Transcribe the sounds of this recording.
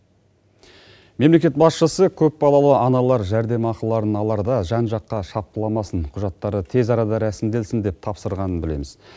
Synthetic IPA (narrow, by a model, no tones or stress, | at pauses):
me̞mle̞kʲe̞t̪̚bɑsʃəsəkʲʰɵp̚bɑlˠɑlˠəʔɑnɑlˠɑɾʒæɾd̪e̞mɑqəlˠːɑɾənɑlˠɑɾd̪ɑʒɑnʒɑqːɑʃɑp̚t̪əlˠɑmɑsəɴqʰʊʒɑt̪ːɑɾət̪ʰe̞zɑɾɑd̪ɑɾæsɪmd̪e̞lsɪnd̪e̞p̚t̪ʰɑpsəɾʁɑnənbɪle̞̰mɪz